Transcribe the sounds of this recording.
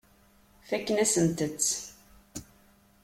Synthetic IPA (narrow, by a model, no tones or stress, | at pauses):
fækːənæsənt̪ət͡sː